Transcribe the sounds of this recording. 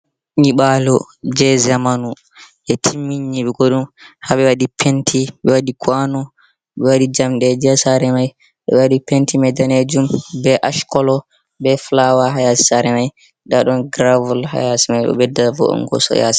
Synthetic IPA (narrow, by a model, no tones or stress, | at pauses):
ɲiɓalɔ | d͡ʒɛzamanu | ʔɛtʰimːiɲːiɓɛɡoɗumhaɓɛwaɗipʰentʰiɓɛwaɗikʰwanɔ | ɓɛwaɗid͡ʒamɗɛd͡ʒɛsaɾɛmaj | ɗɔ̰ɓɛwaɗipentimɛdaned͡ʒumbɛʔaʃkɔlɔ | bɛflawaɦajasi̥saɾɛmaj | ɗaɗɔnɡɾavulha̰jasimajɗɔ̰ɓɛdavɔ̰ɔ̰ŋkɔ̰sɔ̰ja̰si̥